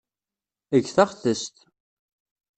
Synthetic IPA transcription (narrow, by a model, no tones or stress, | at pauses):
əʝθɑχθəst̪